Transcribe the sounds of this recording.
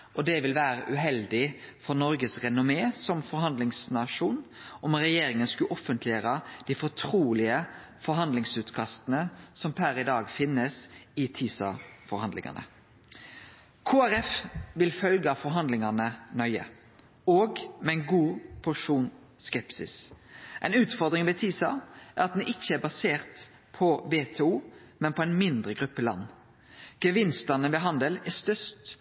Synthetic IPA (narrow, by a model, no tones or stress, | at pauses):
ʔɔd̪ɛʋɪlʋæːɾəʔʉɦɛld̪ɪfɔnɔɾɡəsʁɛnʊmeːsɔmfɔɾɦɑnd̪lɪŋsnɑʂuːnɔmɾɛjeːɾɪŋənskʉʔɔfənt̪lɪəɾəd̪̥ifɔt̪ʰɾuːlɪə | fɔɾɦɑnd̪lɪŋsʉːt̪kʰɑst̪nəsɔmpʰæɾɪd̪ɑːɡfɪnːəsɪt̪ʰiːsɑfɔɾhɑnd̪lɪ̰ŋɑ̰nə̰ | kʰoːæɾɛfʋɪlfœlɡɑfɔɾɦɑnd̪lɪŋɑnənœʏə̰ | oːɡmɛɛɪnɡuːpʰʊʂuːn | skɛpsɪ̰sʔɛ̰ɪnʉːt̪fɔʁd̪ɾɪŋmɛt̪ʰiːsɑʔæɾɑt̪̚d̪ɛʔɪçːəæɾbɑseːʁt̪ | pʰɔʋeːt̪ʰeːuː | mɛnpʰɔɛɪnmɪnd̪ʁəɡʁʉpːəlɑ̰nː | ɡ̥əʋɪnst̪ɑnəmɛɦɑnd̪əlæst̪œst̪